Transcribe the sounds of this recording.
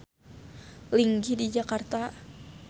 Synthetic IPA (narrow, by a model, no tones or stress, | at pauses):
liŋɡidid͡ʒakart̪a